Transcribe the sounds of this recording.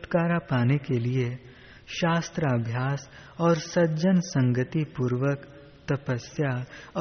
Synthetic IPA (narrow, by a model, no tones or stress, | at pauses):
ʈkaːɾapaːnekelie | ʃaːst̪ɾəɐbʱjaːsɔːɾsɐd͡ʒənsɐ̃ŋɡət̪ipuːɾʋək | t̪ɐpəsja